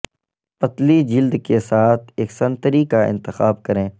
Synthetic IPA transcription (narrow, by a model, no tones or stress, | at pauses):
pɐt̪lid͡ʒɪld̪kesaːt̪ʰeːksɐ̃nt̪əɾikaɪ̰̃nt̪ɪxaːbkɐɾẽː